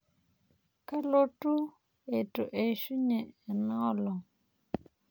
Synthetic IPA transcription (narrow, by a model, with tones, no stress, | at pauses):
ka˦lo˦tu˦ | e˨tu˨ʔe˨ʃu˦ɲɛ˨ɛ˨nɔ˦lɔ˨